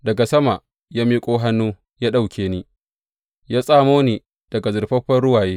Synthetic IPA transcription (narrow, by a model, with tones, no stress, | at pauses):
dɐ˨ɡa˨sɐ˦ma˨ | jaː˦miː˦kʷʼoː˦ɦa˦nːuː˦ | jaː˦ɗa˦˨wkʲʰeː˨˦ni˦ | jaː˦sʼaː˦moː˦niː˨ | d̥ɐ˨ɡa˨zʊ˨rɸɐ˦ɸɐ˦ɽʊ˦waː˨jeː˦